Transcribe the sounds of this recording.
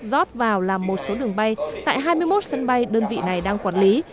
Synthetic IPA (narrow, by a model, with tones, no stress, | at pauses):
zɔ˦˥t̚vaː˨˩wlaː˨˩mːo˨˩t̚so˨˦ɗɨ˨˩əŋɓa˧jt̪a̰ː˧˨jɦaː˧jmɨ˧əjmo˦˥t̚sə˧nɓa˧jɗəː˧nvḭ˧˨na˨˩jɗaː˧ŋkwaː˧˩nli˨˦